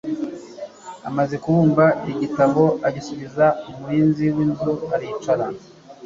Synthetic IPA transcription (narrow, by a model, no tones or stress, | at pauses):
a̰maze̞kuβuːmbaiɟitaβo̞aɟisuβizaomuɾiːnziwiːnzuaɾiit͡ʃaɾa